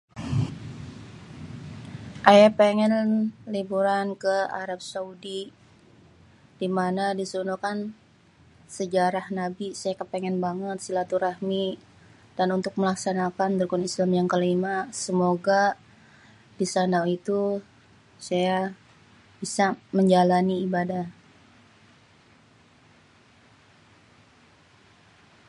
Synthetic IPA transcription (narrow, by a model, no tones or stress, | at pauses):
ʔajapeŋɛnlibuɾankəa̰ɾap̚saudi | d̥imanadisunukan | səd͡ʒaɾahnabisajakəpeŋɛnbaŋət̪̚silat̪uɾahmi | d̥anunt̪ʊk̚məlaksanakand̪əɾukunislamjaŋkəlimasəmoɡa | disanawit̪u | saja | b̥isaməɲd͡ʒalaniːbadah